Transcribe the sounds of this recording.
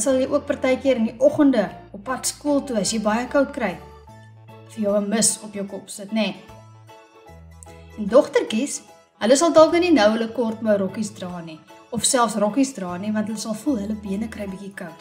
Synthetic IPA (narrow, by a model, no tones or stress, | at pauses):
sɐlˠjəjʔuək̚pɐrtɛjkiəɾəndiʔɔχəndəɔpːɐtskuəlˠtuɐsjɛjbɐjəkɐwtkrɛj | fərjəwəməsɔpjəwkɔpsətnɛ | ndɔχtərkis | ɦələsɐlˠdɑlˠkəninəwələkɔrtməɾɔkisdrɑːniɔfsælˠfsrɔkisdrɑːnivɐntɦələsɐlˠfulˠɦələbiənəkrɛjbikikəwt